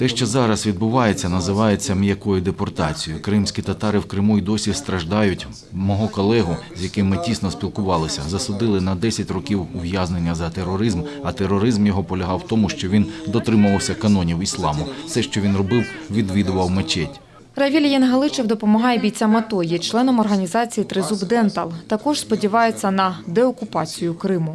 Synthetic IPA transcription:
t̪ɛʃt͡ʃɔzɑɾɐsʋʲid̪̚bʊʋɑjet͡sʲːɐnɐzɪʋɑje̞t͡sʲːɐmjɐkɔjʊd̪epɔrt̪ɑt͡sʲijʊkɾɪmsʲkʲit̪ɐt̪ɑɾɪwkɾɪmuid̪ɔsʲist̪ɾɐʒd̪ɑjʊtʲ | mɔɦɔkɔlˠɛɦʊzʲjɐkɪmːɪtʲisnɔspʲilˠkʊʋɑlˠɪsʲɐzɐsʊd̪ɪlˠɪnɐd̪ɛsʲɐtʲrɔkʲiwʊʋjazne̞nʲːɐzɐt̪erɔɾɪzmɐt̪eɾːɔɾɪzmjɔɦɔpɔlʲɐɦɑwt̪ɔmʊʃt͡ʃɔʋʲind̪ɔt̪ɾɪmɐʋɐwsʲɐkɐnɔnʲiwislˠɑmʊsɛʃt͡ʃɔʋʲinrɔbɪwʋʲid̪ʋʲid̪ʊʋɐwmet͡ʃɛtʲ | rɐʋʲilʲjɛnɦɐlˠɪt͡ʃɛwd̪ɔpɔmɔɦɑjɛbʲijt͡sʲamɐt̪ɔjɛt͡ʃlˠɛnɔmɔrɦɐnʲizɑt͡sʲijit̪ɾɪzubd̪ɛnt̪ɐlˠt̪ɐkɔʒspɔdʲiʋɑjet͡sʲːɐnɐd̪ɛɔkʊpɑt͡sʲijʊkɾɪmʊ

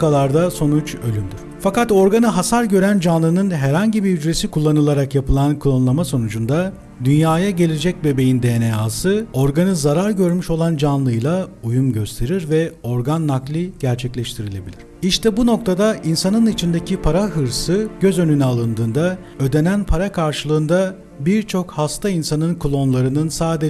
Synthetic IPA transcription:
kalˠaɾd̪aso̞nut͡ʃø̞lʲymd̪iɾ̥fakat̪o̞ɾɡanɯɦasaɾɟø̞ɾænd͡ʒanlˠɯnɯnɦæɾhaɲɟibiyd͡ʒɾe̞sikʰulˠːanɯlˠaɾakjapɯlˠankʰulˠanulˠamaso̞nud͡ʒund̪a | d̪ynjaːjaɟe̞lʲed͡ʒɛc̚be̞be̞jind̪ejnejaːsɯo̞ɾɡanɯzaɾaɾɟø̞ɾmyʃo̞lˠand͡ʒanlˠɯjlˠaujumɟø̞st̪ʰe̞ɾiɾvɛo̞ɾɡanːaklʲˠiɟ̥æɾt͡ʃʰɛclʲɛʃt̪ʰiɾilʲe̞bilʲiɾ̥iʃt̪ʰɛbuno̞k̚t̪ʰad̪aʔinsanɯnit͡ʃʰind̪ecʰipʰaɾaɦɯɾsɯɟ̥ø̞zø̞nynɛalˠɯnd̪ɯːnd̪a | ø̞d̪e̞nænpʰaɾakʰaɾʃɯlˠɯːnd̪a | biɾt͡ʃʰo̞khast̪ʰainsanɯnkʰulˠo̞nlˠaɾɯnɯnsaːd̪e

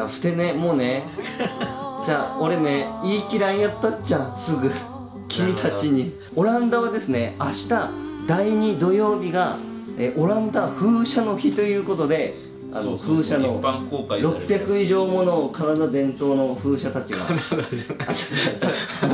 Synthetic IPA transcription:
aɸɯ̟̥t̪e̞ne̞mo̞ːne̞ | d͡ʑaːo̞ɾe̞ne̞iːkʲiɾãɰ̃jat̪ːat͡ɕãɰ̃sɨɡɯ̟ | kʲʰimʲit̪ʰat͡ɕiɲ̟i | o̞ɾãnd̪aβ̞ad̪e̞sɨne̞aɕi̥t̪ad̪aiɲ̟id̪o̞jo̞ːbʲiɡa | eʔo̞ɾãnd̪aɸɯ̟ːɕano̞çit̪o̞jɯ̟ːko̞t̪o̞d̪e̞ | a̰no̞ɸɯ̟ːɕano̞kokɾo̞pʲjakɯ̟iʑo̞ːmo̞nokaɾad̪ad̪ẽ̞nt̪o̞ːno̞ɸɯ̟ːɕat̪at͡ɕiɡa̰ | at̪aat͡ɕã

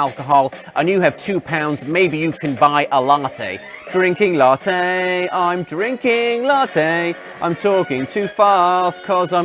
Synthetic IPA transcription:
alˠkəɦɔlˠʔə̃njəːv̥tʰʉːpʰãʊ̃ndzmeɪbijəkʰə̃nbaɪʔəlɑˑtʰḛɪ | d̥ɹɪ̃ŋkɪ̃ŋlɑˑtʰeãɪ̃mdɹɪ̃ŋkɪ̃ŋlɑˑtʰeɪʔãɪ̃mtʰɔˑkɪ̃ŋtʰʉːfɑˑskʰɒzãɪ̃

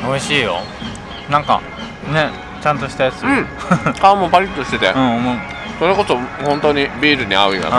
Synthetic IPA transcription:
oiɕiːjo̰ | nãŋka̰ | ne̞ | t͡ɕãnt̪o̞ɕi̥t̪ajat͡sɨɯ̟õ | kamopaɾʲit̪ːoɕi̥t̪e̞t̪ḛɯ̟̃omoɯ | soɾekosohõ̞nt̪oɲ̟ibʲiːɾɯ̟ɲ̟iaɯ̟ia̰

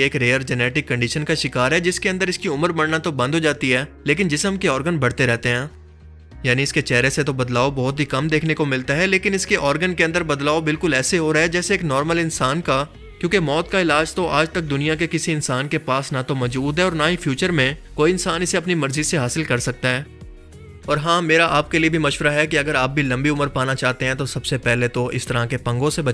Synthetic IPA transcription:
eːkɾeːəɾd͡ʒɛnɛːʈɪkːə̃ɳɖiːʃənkaʃɪkaːɾɦɛd͡ʒɪskeɐ̃nd̪əɾɪskiʊməɾbɐɽnat̪obɐ̃nd̪ʱɦoːd͡ʒaːt̪iɦɛːleːk̬ɪnd͡ʒɪsəmkeɔːɾɡənbɐɽ̤t̪eɾɛɦt̪eɦɛ̃ː | jaːniɪsket͡ʃɛːɾeset̪obɐd̪laːobɔːʊt̪ɦikɐmd̪eːkʰnekomɪlt̪aɦɛleːkɪnɪskeʔɔːɾɡənkeɐ̃nd̪əɾbɐd̪laːobɪlkʊlɛːseɦoɾaɦɛd͡ʒɛːseːknɔːɾməlɪ̃nsaːnka | kjõːkemɔːt̪̚kaɪlaːd͡ʒt̪oʔaːd͡ʒt̪ɐk̚d̪ʊnijakekɪsiɪnsaːnkepaːsnat̪omɔːd͡ʒuːd̪ɦɛɔːɾnaɦifʰjuːt͡ʃəɾmẽkoːiɪnsaːnɪseɐpnimɐɾziseɦaːsɪlkɐɾsɐk̚t̪aɦɛː | ɔːɾɦãːmeːɾaʔaːp̚keliebʱimɐʃʋəɾaɦɛkiɐɡəɾaːp̚bʱilɐ̃mbiʊməɾpaːnat͡ʃaːɦt̪eɦɛ̃t̪osɐbsepɛɦlet̪oʔɪ̰st̪ɐɾakepɐ̃ŋɡõsebɐ

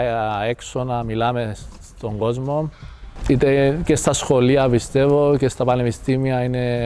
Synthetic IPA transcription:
ekso̞nɐmilɐme̞s | t̪o̞ŋɡo̞zmo̞it̪ece̞st̪ɐsxo̞liɐpist̪e̞vo̞cest̪ɐpɐnepist̪imiɐine̞

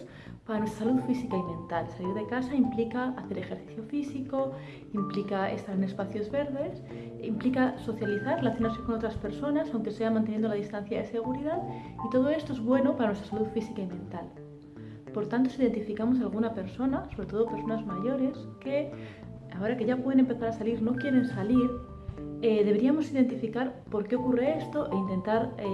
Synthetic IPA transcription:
s | paɾanwest̪ɾḁsaluðfisikaimẽ̞nt̪alsaliɾðe̞kasaimplikaːθe̞ɾe̞xe̞ɾθi̥θjo̞fisiko̞ | implikae̞̰st̪aɾe̞ne̞spaθjo̞zβe̞ɾðe̞s | implikaso̞θjaliθaɾrːelaθjonaɾse̞ko̞not̪ɾaspe̞ɾso̞nasawŋke̞seamãnt̪enje̞nd̪olaðist̪an̟θjaðe̞se̞ɣ̞uɾiðaðit̪o̞ð̞o̞e̞st̪o̞e̞zβwe̞no̞paɾanwe̞st̪asaluðfisikaimẽ̞nt̪al | po̞ɾt̪ant̪̬o̞siðe̞nt̪ifikamo̞s̬alɣ̞unape̞ɾso̞naso̞β̞ɾe̞t̪o̞ð̞ope̞ɾso̞nazmaʝo̞ɾe̞ske̞ | ao̞ɾake̞ʝapweðene̞mpeθaɾasaliɾno̞kje̞ɾe̞nsaliɾ | eðeβe̞ɾiamo̞siðe̞nt̪ifikaɾpo̞ɾke̞o̞kure̞est̪o̞ʔe̞int̪e̞nt̪aɾe

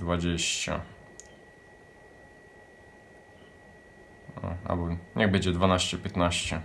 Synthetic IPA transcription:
d̪vad͡ʑeɕt͡ɕa̰ | ɔ̰a̰lbɔɲʔɛɣbɛɲd͡ʑɛd̪vanaɕt͡ɕɛpʲjɛt̪naɕt͡ɕɛ

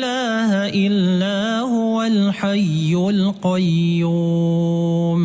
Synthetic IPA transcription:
laːhʔɪlːaː | hʊwalħajːʊlqɑjːuː | m

